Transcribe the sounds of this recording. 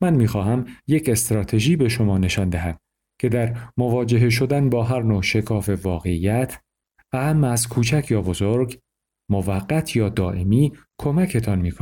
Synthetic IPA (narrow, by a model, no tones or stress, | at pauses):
mænmiːxɒːɦæmjecʰe̞st̪ɾɒːt̪ʰe̞ʒiːbe̞ʃo̞mɒːne̞ʃɒnd̪æɦæd̪̥ | cʰe̞d̪æɾmovɒːd͡ʒe̞ɦe̞ʃ̬o̞d̪ænbɒːɦæɾnoːʃe̞kʰɒːfe̞vɒːɣe̞iːjæt̪ʰ | æmæzkʰuːt͡ʃʰæcʰjɒːbo̞zoɾɡ | movæɢːæt̪ʰjɒːd̪ɒːʔe̞miː | kʰo̞mæcʰe̞t̪ʰɒnmiːkʰo